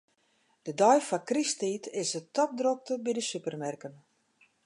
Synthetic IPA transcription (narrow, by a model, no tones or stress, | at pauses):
d̥ədɔjfakristiːtʰɪsətɔp̚drok̚təbidəsypərmɛrkən